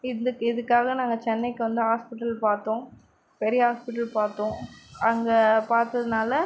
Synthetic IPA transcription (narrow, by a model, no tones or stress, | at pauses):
ɪɐkːɪðɯkːaːɣɐnaːŋɡɐt͡ʃɛnːɛɪkːɯʋɐnd̪ɯɦaːspɪʈːɐlpaːɾt̪õː | pɛɾɪjɐɦaːspɪʈːɐlpaːɾt̪õːɐŋɡɐpaːɾt̪ɐðɯnaːlɐ